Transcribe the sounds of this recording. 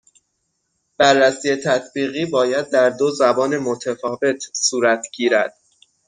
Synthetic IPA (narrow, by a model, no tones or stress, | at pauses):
b̥ærːæsiːjet̪ʰæt̪ʰbiːɣiːbɒːjæd̪̚ːæɾd̪ozæbɒːnemot̪ʰæfɒːve̞t̪ʰsuːɾæt̪ʰɡ̥iːɾæd̪̥